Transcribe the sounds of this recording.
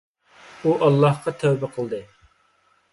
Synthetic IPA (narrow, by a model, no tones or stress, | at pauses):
uʔɑlˠːɑhqɑt̪ʰɛwbɛqʰəlˠd̪ɨ